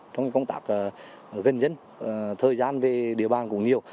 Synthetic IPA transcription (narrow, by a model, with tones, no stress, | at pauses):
t͡ɕɔ˧wŋ͡mkkə˧wŋ͡mt̪a̰ː˦˥k̚ː | ɣə˨˩nzə˧n | t̪ʰəː˨˩jzaː˧nve˨˩ɗḭ˧˨əɓaː˨˩nkʊ̰˧˥ŋ͡mɲi˨˩əw